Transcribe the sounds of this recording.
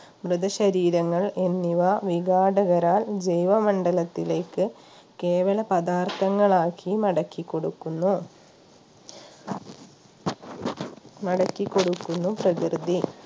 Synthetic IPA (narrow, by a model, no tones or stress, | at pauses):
mrɨd̪ɐɕɐɾiːɾɐŋːɐɭenːiʋaʋiɡaːɽɐɣɐɾaːld͡ʑejʋɐmɐɳɖɐlɐt̪ːile̞ːkːɨ | ke̞ːʋɐlɐpɐd̪aːrt̪ɐŋːɐɭaːkʰimɐɽɐkːikːoɽukːunːu | mɐɽɐkːikːo̞ɽukːunːuprɐkrɨd̪i